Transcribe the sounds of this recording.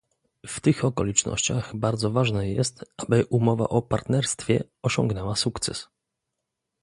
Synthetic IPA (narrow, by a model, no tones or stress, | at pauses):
ft̪ɘxɔkɔlʲit͡ʂnɔ̰ɕt͡ɕaɣbaɾd̪zɔvaʐnɛjɛst̪abɘʔumɔva̰ʔɔpaɾt̪nɛɾst̪fʲjɛ̰ | ɔɕɔ̰̃ŋɡnɛwasukt̪sɛ̰s